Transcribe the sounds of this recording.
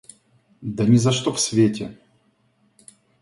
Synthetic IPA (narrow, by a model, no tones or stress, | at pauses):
d̪ɐnʲɪzɐʂt̪ofsʲvʲetʲɪ